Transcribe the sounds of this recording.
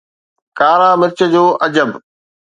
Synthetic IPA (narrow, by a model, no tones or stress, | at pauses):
kaːɾaːmɪɾt͡ɕə̆d͡ʑoːʔɐd͡ʑəb